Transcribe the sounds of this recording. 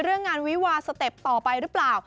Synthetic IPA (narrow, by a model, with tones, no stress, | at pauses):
ɾɯ˥˩əŋːaː˧nwi˦˥waː˧sa˧t̪e˨˩p̚t̪ɔː˨˩pa˧jɾɯ˦˥plaː˨˩w